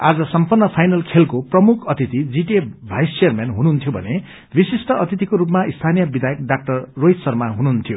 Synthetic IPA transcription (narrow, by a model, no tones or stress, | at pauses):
ad͡zʌsʌmpunːʌpʰajnʌlkʰelkoprʌmukʰʌt̪it̪id͡ziʈebʱajst͡sejʌrmenɦununt̪ʰjobʱʌ̰ne | bisisʈʌʌt̪it̪ikoɾupmaist̪ʰanijʌbid̪ajʌk̚ɖak̚ʈʌrːojt̪sʌrmaɦununt̪ʰijo